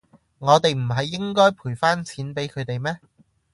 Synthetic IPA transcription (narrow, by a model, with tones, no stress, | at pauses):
ŋɔː˨˧t̪e˨jm̩˨˩ɦɐ˨jːɪ˥ŋkɔː˥jpʰuː˨˩jfaː˥nt͡sʰiː˨˥npe˨˥jkʰɵ˨˧ɥt̪e˨jmɛː˥